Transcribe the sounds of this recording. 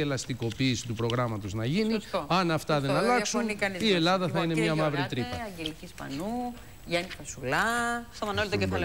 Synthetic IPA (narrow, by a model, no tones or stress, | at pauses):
e̞lɐst̪iko̞piːsi̥t̪upɾo̞ɣɾɐmɐt̪o̞znɐʝiniɐnɐft̪ɐðe̞nɐlɐksunkɐnie̞lɐðɐθɐine̞mmɲɐmɐvɾit̪ɾipɐɐɟelicispɐ̰nu | ʝɐnifɐsulɐst̪omɐnolt̪ocefɐl